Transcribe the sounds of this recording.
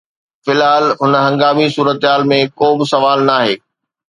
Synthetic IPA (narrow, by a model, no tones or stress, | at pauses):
fɪlɦaːlɦʊnɦɐ̃ŋɡaːmisuːɾət̪ɦaːlmẽkoːbɪsɐʋaːlnaːɦeː